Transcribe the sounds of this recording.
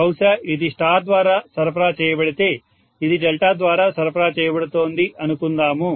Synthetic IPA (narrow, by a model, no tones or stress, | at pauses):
ɐwsɐʔid̪iʂʈaːd̪ʋaːɾaːsɐɾɐpɐɾaːt͡ʃɛːjɐbɐɽit̪e | id̪iɖɛlʈaːd̪ʋaːɾaːsɐɾɐpʰɐɾaːt͡ʃɛːjɐbɐɽut̪oːnd̪iʔɐnukund̪aːmu